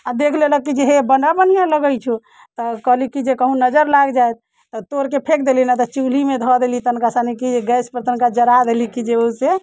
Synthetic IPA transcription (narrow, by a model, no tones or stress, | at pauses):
ad̪ekʰleləkid͡ʒeɦebənɖabənijãləɡəjt͡ʃʰu | t̪ɔkəɦlikid͡ʒekəɦũnəd͡ʒəɾlaɡd͡ʒajt̪̚ː | ɔt̪oɾkepʰekd̪elinat̪ɔt͡ʃulimed̪ʱɔd̪elit̪ənkasanikieɡəspəɾt̪ənkad͡ʒəɾad̪elikid͡ʒeuse